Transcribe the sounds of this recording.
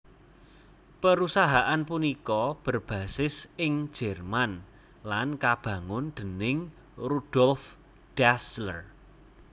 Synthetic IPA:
pəɾusaɦaʔanpunikɔb̥ə̤rb̥ä̤sɪsɪŋ̥d͡ʒʒ̥ɛ̤rman | lankab̥ä̤ŋʊnd̪̥ə̤nɪŋ | rud̥ɔlf | d̥aslər

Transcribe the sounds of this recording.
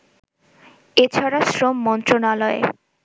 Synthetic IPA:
et͡ɕʰaɾasɾomːɔnt̪ɾonalɔḛ

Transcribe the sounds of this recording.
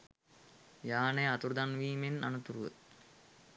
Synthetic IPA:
jaːneat̪uɾd̪anʋiːmena̰nut̪uɾuʋə̰

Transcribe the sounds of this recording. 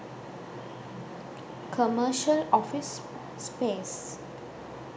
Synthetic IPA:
kʰəməɾʃəlɔfisː | peːs

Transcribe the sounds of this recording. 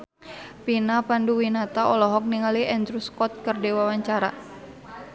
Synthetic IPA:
pinapanduwinat̪aɔlɔɦɔk̚niŋaliʔɛnd̪ɾuskɔt̪̚kərdewawaɲt͡ʃaɾa̰

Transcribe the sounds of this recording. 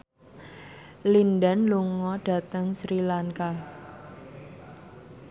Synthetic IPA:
linɖanluŋɔɖ̥a̤t̪əŋsɾilaŋka

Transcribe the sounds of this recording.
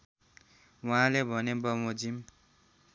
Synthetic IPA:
waɦãlebʱʌnebʌmod͡zim

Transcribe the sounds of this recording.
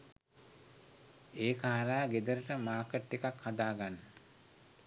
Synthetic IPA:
eːkaɦaɾaːɡed̪əɾəʈəmaːkəʈːekakhad̪aːɡanːə

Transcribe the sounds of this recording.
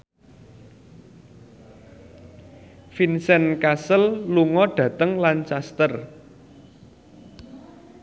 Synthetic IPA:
finsɛnkasəlluŋɔɖ̥ä̤t̪əŋlant͡ʃast̪ər

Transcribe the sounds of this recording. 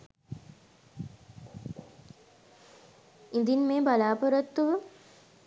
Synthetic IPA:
ind̪inmeːbalaːpoɾot̪ːuʋə

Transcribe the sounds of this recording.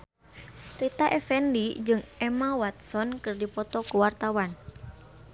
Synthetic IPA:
ɾit̪aʔɛfɛnlid͡ʒɨŋɛmawat̪̚sɔnkɨrdipɔt̪ɔkuwart̪awan

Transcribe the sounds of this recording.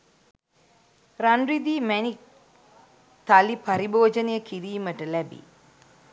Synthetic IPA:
ranrid̪iːmænik | t̪alipaɾiboːd͡ʒənəjəkiɾiːməʈəlæbḭ

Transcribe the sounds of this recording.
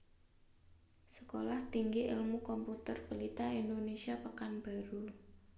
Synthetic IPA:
sə̥kolaht̪iŋɡiʔɪlmukɔmput̪ərbəlit̪aind̪onesiapakanb̥aɾu

